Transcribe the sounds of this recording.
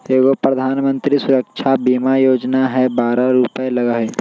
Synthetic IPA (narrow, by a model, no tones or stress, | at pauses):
eːɡopɾɐd̪ʱaːnmə̃nt̪ɾisʊɾəkʃʰabiːmajoːd͡ʒnaɦɛbaːɾaɾupelɐɡaɦe